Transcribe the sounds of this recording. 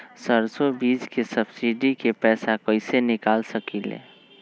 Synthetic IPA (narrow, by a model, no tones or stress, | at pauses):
səɾsobiːd͡ʒkesəbsiɖikepɛːsakəɪsenɪkaːlsəkilḛ̃ː